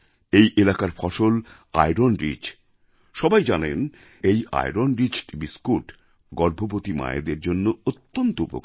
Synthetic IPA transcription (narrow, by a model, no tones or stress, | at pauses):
ejʔelakaɾfʰɔʃol | a̰jɾonɾḭd͡ʑ | ʃɔbajd͡ʑanen | eja̰jɾonɾit͡ɕbiskuʈ | ɡɔɾbʱobot̪ima̰jḛd̪eɾd͡ʑonːoot̪ːont̪oṵpo̰k